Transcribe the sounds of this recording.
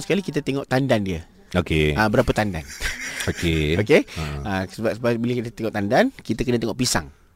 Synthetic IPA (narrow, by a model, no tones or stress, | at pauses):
sə̥kalikit̪ət̪eŋɔʔt̪andandiə | okeabəɾapət̪anda̰nokeokeəsəbapsəbabiləkit̪ət̪eŋɔʔt̪andankit̪əkənət̪eŋɔʔpisa̰ŋ